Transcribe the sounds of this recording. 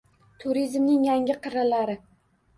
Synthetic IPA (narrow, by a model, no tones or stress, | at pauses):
t̪ʰʊɾizmnɪŋjaŋʲɪqʰɨɾalaɾɪ